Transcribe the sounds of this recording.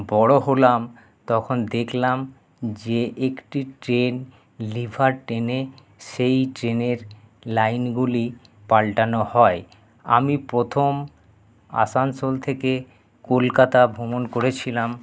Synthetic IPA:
bɔɽoɦolam | t̪ɔkʰond̪ekʰlam | d͡ʑeʔekʈiʈɾen | libʱaɾʈɾene | ʃejʈɾeneɾlajnɡuli | palʈanohɔe | a̰mipɾot̪ʰom | a̰sansolt̪ʰeke | kolkat̪abʱumonkoɾet͡ɕʰilam

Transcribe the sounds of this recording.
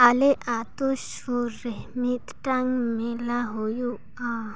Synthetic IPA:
aleʔat̪uʃ | uɾemit̪ʈaŋmelaɦoju | a

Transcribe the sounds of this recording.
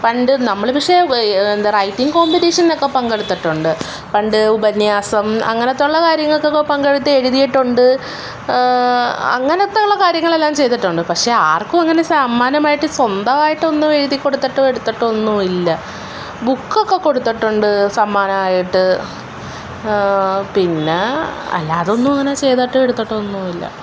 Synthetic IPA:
pɐɳɖɨnɐmːɐɭpikʂe̞end̪ɐrɐjtːiŋɡɨko̞ːmbineːʂɐnnokːepɐŋɡeɽut̪ːiʈːuɳɖɨ | pɐɳɖɨubɐnjaːsɐmɐ̰ŋːɐnɐt̪ːuɭːɐkaːɾjɐŋːɐɭokːeokːepɐŋɡeɽut̪ːɨe̞ɻuðijiʈːuɳɖɨ | ɐ̰ŋːɐnɐt̪ːuɭːɐkaːɾjɐŋːɐɭe̞lːaːmt͡ɕe̞jt̪iʈːuɳɖɨpɐkʂe̞ːaːrkumɐŋːɐne̞samːaːnɐmaːjiʈːɨswɐnd̪ɐmaːjiʈːɨonːueɻuðikːo̞ɽut̪ːiʈːɨe̞ɽut̪ːɐʈːonːuilːɐ | bukːo̞kːe̞kːo̞ɽut̪ːiʈːuɳɖɨsɐmːaːnɐmaːjiʈːɨ | pinːe̞ɐ̰lːa̰ːðo̞nːumɐŋːɐnaːt͡ɕe̞jt̪aːʈːɨeɽut̪ːɐʈːɨonːuːilːɐ̰

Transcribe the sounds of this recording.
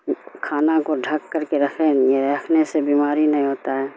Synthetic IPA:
kʰaːnakoɖʱɐkːəɾkeɾɐkʰejeɾɛːkʰnesebiːmaːɾinɐɦĩɦoːt̪aɦɛː

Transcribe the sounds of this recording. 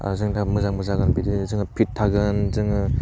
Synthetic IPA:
a̰zɯŋtʰamɯzaŋmɯzaɡɯnbidɯzɯŋɯpʰit̚ʰːaɡɯnzɯŋɯ

